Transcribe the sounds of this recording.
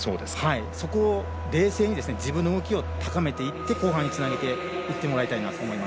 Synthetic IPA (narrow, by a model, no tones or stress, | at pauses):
so̞̰ːd̪eshaiso̞ko̞ː | ɾe̞ːse̞ːɲ̟id̪e̞sɨne̞d͡ʑibɯ̃nːoɯɡo̞kʲio̞t̪akame̞t̪e̞it̪ːe̞ko̞ːɦãɲ̟ːit͡sɨnaɡe̞t̪e̞ | it̪ːe̞mo̞ɾait̪ainat̪oːmo̞imas